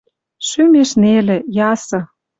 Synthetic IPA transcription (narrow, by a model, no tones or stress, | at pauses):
ʃymeʃnelĕjɑsɤ̆